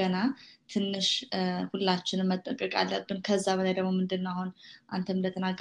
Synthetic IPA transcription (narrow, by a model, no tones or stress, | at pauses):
ənat̪ʰɨnːɨʃhulːat͡ʃːɪnɨmmət̪ʼːəkʼəkʼa̰lːəbːɨnkʰəzːaβəlajd̪əɡmomɨnd̪ɨnːahonʔant̪ʰəmld̪ət̪ʰənaɡ